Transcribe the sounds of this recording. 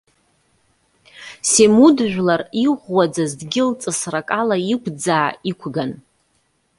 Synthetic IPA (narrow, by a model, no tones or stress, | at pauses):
semudʒᶣʷlariʁʷwad͡zazdɡʲɪlt͡sʼɨsrakʼalaikʷʰd͡zaːikʷʰɡan